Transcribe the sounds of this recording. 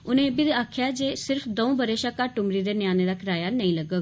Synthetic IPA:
ʊnẽbɪd̪aːkʰjad͡ʒesɪɾfd̪ɐũbəɾeːʃakaʈʊmɾid̪enjaːneɾakʰɾaːjanɐĩlɐɡə

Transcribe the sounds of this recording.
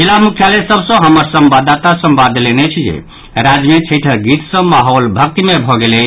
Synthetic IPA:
d͡ʒilamukʰjalesəbsə̃ɦəməɾsəmbad̪at̪asəmbad̪lenɛt͡ʃʰid͡ʒḛ | ɾad͡ʒmet͡ʃʰəʈʰəɡit̪sə̃maɦɔlbʱək̚t̪mebʱɔɡelɛ

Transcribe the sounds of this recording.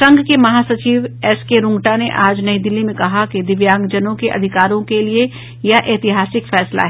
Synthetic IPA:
sɐ̃ŋɡʱkemɐɦaːsɐt͡ʃiːʋɛskeɾʊ̃ŋɡʈaneʔaːd͡ʒnɐid̪ɪlːimẽkɐɦaked̪ɪʋjãːŋɡd͡ʒɐnõkeʔɐ̰d̪ʱɪkaːɾõkelie | jaʔeːt̪ɪɦaːsɪkfɛːsla̰ɦɛː

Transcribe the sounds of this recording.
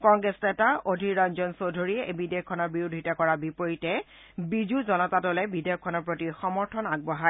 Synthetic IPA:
kɔŋɡɹɛsnɛtaodʱiɹand͡ʒɔnsodʱoɹiɛebidejɔkʰːɔnɔɹbiɹudʱitɔkɔɹabipoɹitɛ | bizuzɔnɔtadɔlɛbidejɔkʰːɔnɔɹpɹotixɔmɔɹtʰɔnaɡ̚bɔɦa

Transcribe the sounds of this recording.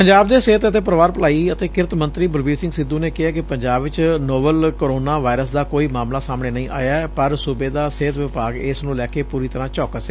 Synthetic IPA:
pəɲd͡ʒaːb̚d̪eːseːt̪ət̪eːpɾəʋaːɾpəlaːiːət̪eːkɪɾt̪mə̃nt̪ɾiːbəlʋiːsɪ̃ŋɡsɪd̪ũːneːkɪaːkɪpəɲd͡ʒaːbʋɪt͡ʃnoːbəlkoɾoːnaːʋaːɪɾəsd̪aːkoːiːmaːmlaːsaːmɳeːnəĩːʔa̰ːjaːɛpəɾsʊbeːd̪aːseːt̪ʋɪpaːɡɪsnũːlɛːkeːpuːɾiːt̪əɾãːt͡ʃɔːkəs

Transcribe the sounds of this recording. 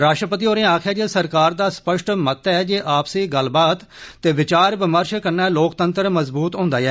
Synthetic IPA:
ɾaːʃʈɾəpət̪̬iːoːɾẽːaːkʰaːd͡ʒeːsəɾkaːɾd̪aːspəʃʈmət̪ɛːd͡ʒeːʔaːpseːɡəlbaːt̪ːeːʋɪt͡ʃaːɾbɪməɾʃkəɾnɛːloːkt̪ənt̪əɾməzbuːt̪ɦõːnd̪aːɛː

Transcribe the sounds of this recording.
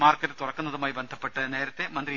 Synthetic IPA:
maːrkːɐɾɨt̪urɐkːunːɐðumaːjibend̪ʱɐpːe̞ʈːɨne̞ːɾɐt̪ːe̞mɐnd̪ri

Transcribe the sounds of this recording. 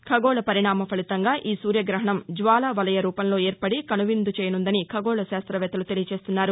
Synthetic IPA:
kʰɐɡoːɭɐpɐɾiɳaːmɐpʰɐɭit̪ɐŋɡaːʔiːsuːɾjɐɡɾɐɦɐɳɐmd͡ʒʋaːlɐʋɐlɐjɐɾuːpɐnlo̞ːeːɾpɐɽikɐnuʋind̪ut͡ʃɛːjɐnund̪ɐnikʰɐɡoːɭɐʃaːst̪ɾɐʋɛːt̪ɐlut̪elijɐt͡ʃe̞ːst̪unːaːɾu

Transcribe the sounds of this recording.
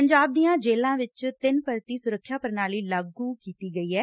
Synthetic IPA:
əɲd͡ʒaːb̚d̪iːãːd͡ʒeːlãːʋɪt͡ʃt̪ɪnpəɾt̪iːsʊɾəkʰːjaːpəɾnaːliːlaɡuːkiːt̪iːɡəiːɦɛː

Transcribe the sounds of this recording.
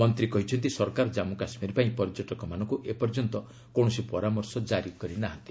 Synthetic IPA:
mɔnt̪ɾikɔɦit͡ʃʰɔnt̪isɔɾkaɾɔd͡ʒamukasmiɾpaĩpɔɾd͡ʒɔʈɔkɔmanɔŋkuʔepɔɾd͡ʒɔnt̪ɔ | kɔɽ̃ɔsipɔɾamɔɾsɔd͡ʒaɾikɔɾinaɦat̪i̥

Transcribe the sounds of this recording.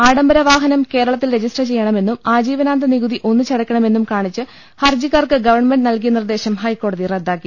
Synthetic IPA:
aːɽɐmbɐɾɐʋaːɦɐnɐmke̞ːɾɐɭɐt̪ːilred͡ʑisʈɐt͡ɕe̞jːɐɳɐme̞nːumaːd͡ʑiːʋɐnaːnd̪ɐniɣuðiʔo̞nːɨt͡ɕɐɽɐkʲːɐɳɐme̞nːumkaːɳit͡ɕːɨ | hɐrd͡ʑikːaːrkɨɡɐʋɐrɳme̞ɳɖɨnɐlk̬ijɐnird̪e̞ːɕɐmhɐjkːo̞ːɽɐðired̪ːaːkːi

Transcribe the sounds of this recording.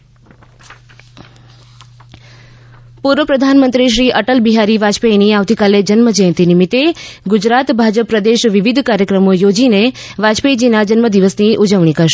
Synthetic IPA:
puɾʋəpɾəd̪ʱanmənt̪ɾiʃ̬ɾiʔəʈəlbiɦaɾiʋad͡ʒpejniaʋt̪ikaled͡ʒənməd͡ʒəjə̃nt̪inimit̪ːeɡʊd͡ʒɾat̪bʱad͡ʒəpːɾəd̪eʃʋiʋid̪ʱkaɾjəkɾəmojod͡ʒineʋad͡ʒped͡ʒinad͡ʒənməd̪iʋəsniʔud͡ʒəʋɳ̃ikəɾʃe

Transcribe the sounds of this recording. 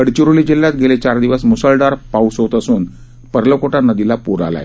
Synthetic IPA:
əɽt͡ɕuɾulid͡ʑil̤ːjat̪ɡʱelet͡ɕaɾd̪iʋəsmusəlɖaɾpausot̪əsuːn | pəɾlokoʈanəd̪ilapuɾa̰la̰j

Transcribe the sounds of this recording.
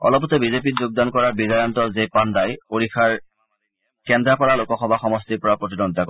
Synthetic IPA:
ɔ̰lɔpɔtɛbizep̬itzoɡ̚dankɔɹaɹbidajɔntɔzepandajpoɹixʰaɹ | kɛndapɔɹalokɔxɔbʱaxɔmɔstiɹpɔɹapɹot̬inɔdʱakɔ

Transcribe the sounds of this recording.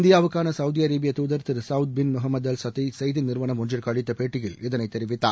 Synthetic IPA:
nd̪ɪjaːʋɯkːaːnɐsɐʋðijɐɾeːbɪjɐt̪uːðɐɾt̪ɪɾsɐʊt̪̚bɪnmʊɦɐmːɐd̪ɐlsɐt̪ːisɐjðɪnnɪɾʋɐnɐmɔnd͡ʒɐlkɐɭɪt̪ːɐpeːʈːɪjɪlɪðɐnɐɪt̪ːɛɾɪʋɪt̪ːa̰ː

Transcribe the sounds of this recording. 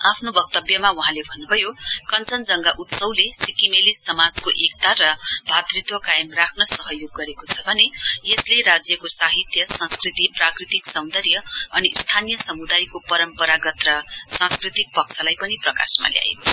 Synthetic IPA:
apʰnobʌk̚t̪ʌbjʌmauɦãlebʱʌnːubʱʌjokʌnt͡sʌnd͡zʌŋɡaʔut̪sʌwlesikimelisːʌmad͡zkoʔek̚t̪aɾʌbʱat̪rit̪wʌkajmrakʰnʌsʌɦʌjoɡːʌɾekot͡sʰʌbʱʌnejesleɾad͡zjʌkosaɦit̪jʌsʌ̃nskrit̪iprakrit̪iksʌw̃nd̪ʌɾjʌʌnist̪ʰanijʌsʌmud̪ajkopʌɾʌmpʌɾaɡʌt̪rʌsãnskrit̪ik̚pʌksʰʌlajpʌniprʌka̰sma̰lja̰ḛkot͡sʰ

